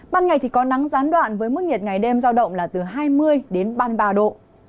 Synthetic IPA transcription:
ɓaː˧nŋa˨˩jt̪ʰi˨˩kɔ˨˦na˨˦ŋzaː˨˦nɗwa̰ː˧˨nvəː˨˦jmɨ˦˥k̚ŋɲi˨˩t̚ŋa˨˩jɗe˧mzaː˧wɗə̰˧˨wŋ͡mlaː˨˩t̪ɨ˨˩ɦaː˧jmɨ˧əjɗe˨˦nɓaː˧jɓaː˧ɗo̰˧˨

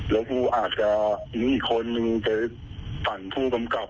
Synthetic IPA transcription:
lɛː˦˥wkʰuː˧ʔaː˨˩t̪̚t͡ɕa˨˩mi˧˥iː˨˩kʰːo˧nːɯ˧pa˧˩ | t̪a˨˩npʰuː˥˩ka˧mka˨˩p̚

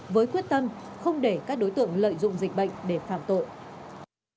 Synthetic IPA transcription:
vəː˨˦jkwi˦˥ət̚t̪ə˧mxə˧wŋ͡mɗe˧˩kaː˦˥k̚ɗo˨˦jt̪ɨ̰˧˨əŋlə̰ː˧˨jzʊ̰˧˨ŋ͡mzï˨˩k̟̚ɓə̰˧˨jŋ̟ɗe˧˩faː˧˩mt̪o̰˧˨j

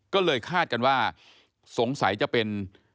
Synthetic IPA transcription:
kɔː˥˩lɤː˧jkʰaː˥˩t̪̚ka˧nwaː˥˩ | so˨˩˦ŋsa˩˦jt͡ɕa˨˩ʔpe˧n

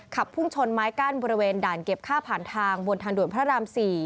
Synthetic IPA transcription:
kʰa˨˩pʰːu˥˩ŋt͡ɕʰo˧nmaː˦˥jkaː˥˩nbɔː˧ɾi˧weː˧ndaː˨˩nke˨˩p̚kʰaː˥˩pʰaː˨˩nt̪ʰaː˧ŋbo˧nt̪ʰaː˧ŋdu˨˩ənpʰɾa˦˥ɾaː˧msiː˨˩

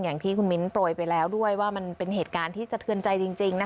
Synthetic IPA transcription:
jaː˨˩ŋt̪ʰiː˥˩kʰu˧nmi˦˥nploː˧˩jpa˧jlɛː˦˥wdu˥˩əjwaː˥˩ma˧npe˧nheː˨˩t̪̚kaː˧nt̪ʰiː˥˩t͡ɕa˧t̪ʰɯ˧ənt͡ɕa˧jt͡ɕi˧ŋt͡ɕi˧ŋna˦˥

